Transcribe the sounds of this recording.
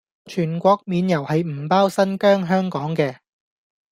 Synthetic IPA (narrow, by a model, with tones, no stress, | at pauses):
t͡ʃʰyː˨˩nkʷɔː˧k̚miː˨˧njɐ˨˩whɐ˨jm̩˨˩paː˥wsɐ˥nkœː˥ŋɦœː˥ŋkɔː˨˥ŋkɛː˧